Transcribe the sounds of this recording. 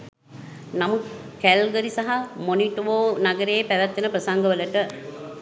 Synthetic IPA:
namut̪ | kælɡəɾisaɦamoniʈʋoːnaɡəɾeːpæʋæt̪ːenəprəsaŋɡəʋələʈə

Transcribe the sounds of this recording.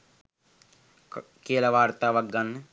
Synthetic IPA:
keːlɐʋaːɾt̪aːʋɐɡɐn

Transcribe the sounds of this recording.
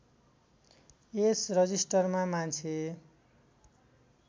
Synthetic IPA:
esrʌd͡zisʈʌrmamant͡sʰe

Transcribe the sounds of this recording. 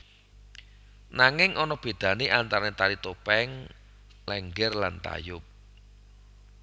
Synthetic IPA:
naŋɪŋʔɔnɔb̥e̤d̪̥ä̤niʔant̪aɾnet̪aɾit̪opɛŋ | lɛŋɡɛrla̰nt̪a̰jʊp̚

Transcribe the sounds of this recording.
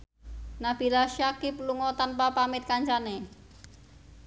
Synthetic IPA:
nab̥ilaʃakip̚luŋɔt̪anpapamit̪̚kaɲt͡ʃane

